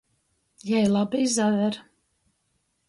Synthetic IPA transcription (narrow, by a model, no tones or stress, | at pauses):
jɛjlˠabiːzaðɛɾ